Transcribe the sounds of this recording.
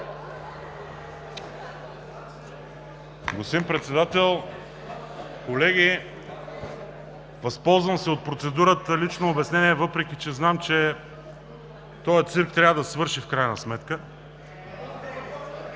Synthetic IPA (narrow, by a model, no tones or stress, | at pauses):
ɡosimpɾɛt̪sɛd̪at̪ɛlˠ | kolɛɡʲi | vɐspɔlˠzvəmsɛot̪̚pɾot̪sɛd̪uɾət̪əlit͡ʃnoːbɛsnɛniɛvɤpɾɛk̟it͡ʃɛznamt͡ʃɛ | t̪ɔjət̪siɾk̚t̪ɾʲavəd̪ɐsɛvɤɾʃifkɾajnəsmɛt̪kə